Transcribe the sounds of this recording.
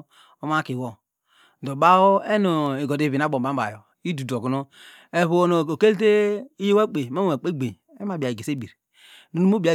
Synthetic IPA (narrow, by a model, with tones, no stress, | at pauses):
o˦ma˦ki˨wo˨ | do˨ba˦o˦e˦no˨e˨ɡo˨di˨˦vi˨n˨a˦bo˨ba˦ba̰˨jo˨ | i˦du˨do˨ɡu˨no˦ | e˨βu˨o˨no˨o˨ke˦lte˦i˦je˦we˦k͡pe˨ma˦o˨a˨k͡pe˦ɡ͡be˨ | e˦ma˨bi˨a˨i˨ɡe˨se˦bi˨ɾ | nu˨nu˦mo˦bi˨a˨